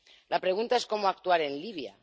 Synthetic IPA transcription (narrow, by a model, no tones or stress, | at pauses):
lapɾe̞ɣ̞unt̪ae̞sko̞moak̚t̪uaɾe̞nliβ̞ja̰